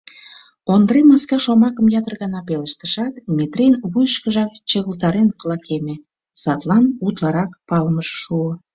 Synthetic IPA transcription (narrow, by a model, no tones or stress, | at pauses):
ond̪əɾemɑskɑʃomɑkəmjɑt̪ərɣɑnɑpeləʃt̪ə̥ʃɑt̪met̪renβujəʃkəʒɑk̚t͡ɕəɣəlt̪ɑɾenklˠɑkʰeme | sɑt̪lɑnut̪lɑɾɑk̚pɑləməʃːuo